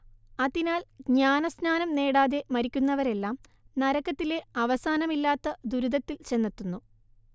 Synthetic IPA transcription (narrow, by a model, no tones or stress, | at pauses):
ɐðinaːɭɲaːnɐsnaːnɐmne̞ːɽaːðe̞mɐɾikʲːunːɐʋɐɾe̞lːaːm | nɐɾɐkːɐt̪ːile̞ɐʋɐsaːnɐmilːaːt̪ːɐd̪uɾud̪ɐt̪ːilt͡ɕe̞nːit̪ːunːu